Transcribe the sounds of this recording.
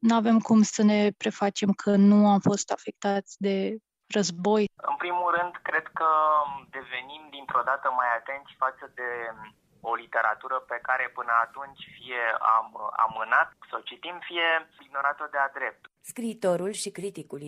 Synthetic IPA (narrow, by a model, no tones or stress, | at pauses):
nuave̞mkumsəne̞pɾe̞fat͡ʃe̞mkʰənuamfo̞st̪afe̞k̚t̪at̪sʲd̪e̞ | rəzbo̞jɨ̰npɾimulɾɨnd̪kɾe̞d̪kəd̪e̞ve̞nimd̪int̪ɾod̪at̪əmajat̪e̞nt̪sʲfat̪səd̪e̞ | o̞lit̪e̞ɾa̰t̪uɾəpe̞kaɾe̞pɨnəat̪unt͡ʃʲfije̞a̰ma̰mɨnat̪sawt͡ʃit̪imfije̞iɡno̞ɾat̪əd̪ead̪ɾe̞p̚t̪ | skɾiːt̪o̞ɾulʃikɾit̪ikul